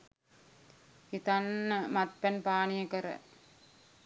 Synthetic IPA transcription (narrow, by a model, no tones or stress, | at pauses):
it̪anːəmat̪̚pænpaːnijəkəɾə̰